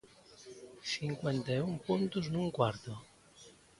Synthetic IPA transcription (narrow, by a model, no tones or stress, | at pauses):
siŋkwent̪aumpunt̪uznuŋkwaɾt̪o